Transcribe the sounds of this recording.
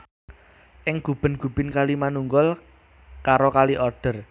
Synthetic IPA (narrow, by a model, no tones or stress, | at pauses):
ʔɪŋɡ̥ṳb̥ə̤nɡ̥ṳb̥ə̤nkalimanuŋɡɔl | kaɾokaliʔɔrɖ̥ə̤r